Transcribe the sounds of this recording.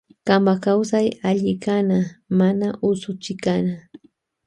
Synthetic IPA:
kambakawsajaʎɪkanamanaʔʊsʊt͡ʃɪkana

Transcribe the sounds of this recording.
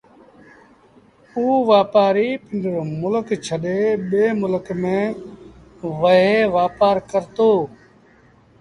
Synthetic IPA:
uːʋaːpaːɾiːpɪɳɖəɾmʊləkt͡ʃʰəɗeːɓeːmʊləkmẽː | ʋəɦeːʋaːpaːɾkəɾt̪oː

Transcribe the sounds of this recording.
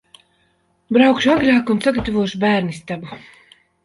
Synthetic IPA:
bɾawkʃuaɡɾʲaːkunsaɡat̪avuɔʃubæːɾnist̪abu

